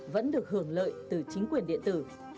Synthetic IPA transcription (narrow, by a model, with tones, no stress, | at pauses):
və̰˧˥nɗɨ˨˩ək̚hɨ˧˩əŋlə̰ː˧˨jt̪ɨ˨˩t͡ɕï˨˦ŋ̟kwi˨˩ənɗḭ˧˨ənt̪ɨ˧˩